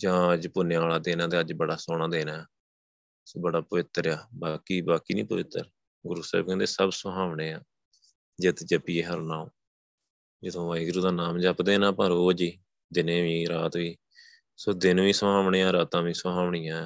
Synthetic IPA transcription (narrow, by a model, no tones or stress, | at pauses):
d͡ʒãːəd͡ʒpʊneːaːlaːd̪eːnãːt̪eːəd͡ʒbəɽaːsoːɳ̃ãːd̪eːnãː | soːbəɽaːpəʋɪt̪ːəɾjaːbaːkiːbaːkiːnĩːpəʋɪt̪ːə̰ɾ | ɡʊɾuːsa̰ːb̚kɛ̃ːnd̪eːsəbsəɦaːʋɳeːaː | d͡ʒɪt̪d͡ʒəpiːeːɦəɾnaːoː | d͡ʒɪd̪õːʋaːiːɡɾuːd̪aːnaːmd͡ʒəpd̪eːnãːpãːɾoːd͡ʒi | d̪ɪneːʋĩːɾaːt̪ʋiː | soːd̪ɪnʋĩːsəaːʋɳeːãːɾaːt̪ãːʋiːsɦaːʋɳɪjãː